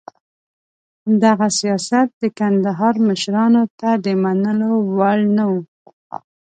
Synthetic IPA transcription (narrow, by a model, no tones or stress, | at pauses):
d̪aɣasijɑsat̪̚d̪əkand̪aɦɑɾməʃɾɑnot̪ad̪əmanəlowaɭnawu